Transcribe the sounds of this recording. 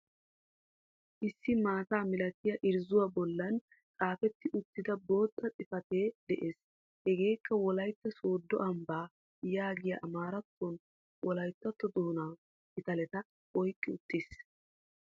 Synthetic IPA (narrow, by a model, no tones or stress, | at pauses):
ʔɪsːɪmaːt̪aːmɪlɐt̪ɪjɐʔɪɾzʊwabɔlːɐn | kʼaːfɛt̪ːɪʔʊt̪ːɪd̪ɐbo̞ːt̪ʼːɐt͡sʼɪfɐt̪e̞ːd̪ɛʔe̞ːs | hɛɡe̞ːkːɐwɔlɐjt̪ːɐso̞ːd̪ːɔ̰ʔɐmbaː | jaːɡɪjɐ̰ʔɐmaːɾɐt̪ːɔn | wʔɔlɐjt̪ːɐt̪ːɔd̪oːnaw | ɪt̪ɐlɛt̪ɐ | ɔjkʼːɪʊt̪ːɪs